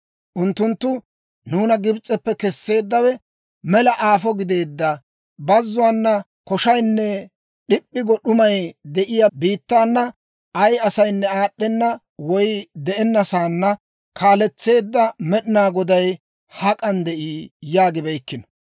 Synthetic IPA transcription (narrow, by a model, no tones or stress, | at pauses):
ʔʊnt̪ːʊnt̪ːʊ | nuːnɐɡɪbt͡sʼːɛpːɛkɛsːe̞ːd̪ːɐwɛ | mɛlɐʔaːfɔɡɪd̪e̞ːd̪ːɐ | bɐzːʊwanːɐ | kɔʃɐjnːɛ | ɗɪpʼːɪɡɔɗʊmɐjd̪ɛʔɪjabiːt̪ːaːnːɐ | ʔɐjɐsɐjnːɛaːɗːɛnːɐ | wɔjd̪ɛʔɛnːɐsaːnːɐ | kʰaːlɛt͡sːe̞ːd̪ːɐmɛɗɪnaːɡɔd̪ɐj | hɐkʼɐnd̪ɛʔiːjaːɡɪbɛjkːɪnɔ̥